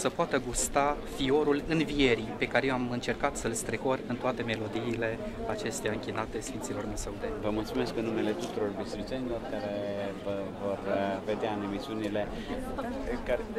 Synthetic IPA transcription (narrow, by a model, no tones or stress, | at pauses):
səpoat̪əɡust̪afio̞ɾulɨnvije̞ɾipe̞kaɾejoamɨnt͡ʃe̞rkat̪səlst̪ɾeko̞rɨnt̪oat̪e̞me̞lo̞d̪iːle̞ | at͡ʃe̞st̪ejaɨŋkʲinat̪e̞sfint̪silo̞rnesəud̪evəmult̪sume̞skɨnːume̞le̞t̪ut̪uɾo̞rbist̪ɾit̪senilo̞rkaɾe̞vəvo̞rve̞d̪eaɨne̞misiunile̞ | ka